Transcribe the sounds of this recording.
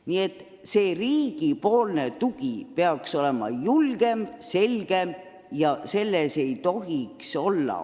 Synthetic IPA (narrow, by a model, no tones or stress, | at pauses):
nie̞t̪ | se̞ːriːɡ̥ipo̞ːlne̞t̪uɡ̥ipe̞ɑkso̞le̞mɑ̰julɡ̥e̞mse̞lɡ̥e̞m | jɑse̞lːese̞jt̪o̞ɦikso̞lːɑ̰